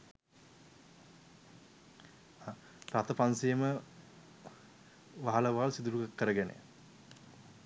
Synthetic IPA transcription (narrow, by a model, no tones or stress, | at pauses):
pɾat̪əpansijəmə | ʋaɦaləʋaːlsid̪uɾuɡakːəɾəɡenḛ